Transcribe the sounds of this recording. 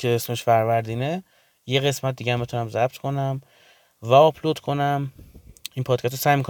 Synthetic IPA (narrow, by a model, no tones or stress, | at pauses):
kʰeesmeʃfæɾvæɾd̪iːne | je̞ɣe̞smæt̪̚d̪iːɟæmːit̪ʰunæmzæb̚t̪ʰkʰo̞næm | væɒpʰlod̪̥kʰo̞næm | iːnpʰɒːd̪̥̚kʰæst̪ːosæːjmikʰo